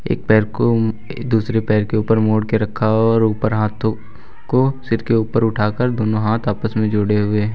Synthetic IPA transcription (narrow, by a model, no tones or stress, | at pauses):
ḛːk̚pɛːɾko | d̪uːsɾepɛːɾkeuːpəɾmoːɽkeɾɐkʰːaɔːɾuːpəɾɦaːt̪ʰo | kosɪɾkeuːpəɾʊʈʰaːkəɾd̪oːnoɦaːt̪ʰaːpəsmẽd͡ʒoːɽeɦʊeː